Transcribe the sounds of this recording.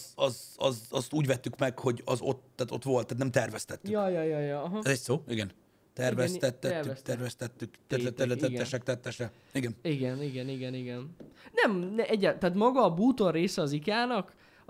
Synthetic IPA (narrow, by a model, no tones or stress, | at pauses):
zɒzɒzɒst̪uːɟvɛt̪ːykmɛkho̞ɟɒzo̞t̪ːaːt̪o̞t̪ʋo̞lt̪ːaːt̪nɛmt̪ɛrvɛst̪ɛt̪ːyjɒjɒjɒjɒɦɛzɛcsoːiɡɛn | t̪ɛrvɛst̪ɛt̪ːɛːyst̪ɛɾvɛst̪ɛt̪ːykt̪ɛɛt̪ɛɾlɛt̪ɛɡ̪ɛʃɛk̚t̪ɛt̪ːɛʃɛ | iɡɛniɡɛniɡɛniɡɛniɡɛnnɛmɛʔɛɟːɛt̪aːt̪mɒɡɒːbuːt̪o̞rreːsɛɒzikaːnɒk